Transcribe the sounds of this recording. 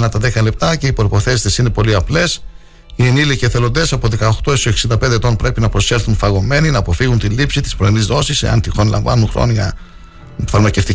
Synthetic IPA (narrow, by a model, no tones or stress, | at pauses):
nɐt̪ɐðekɐle̞p̚t̪ɐce̞ipɾo̞ipo̞θe̞si̥st̪esine̞po̞liɐple̞s | ieniliceθe̞lo̞nd̪e̞sɐpo̞ðe̞kɐoxt̪o̞esoeksind̪ɐpe̞nd̪et̪o̞npɾe̞pinɐpɾo̞se̞lθunfɐɣo̞me̞ninɐːpo̞fiɣunt̪ilipsit̪i̥spɾoinizðo̞sise̞̰ɐ̰nt̪ixonlɐ̰ɱvɐ̰nunxɾo̰noʝɐ | fɐɾmɐce̞ft̪i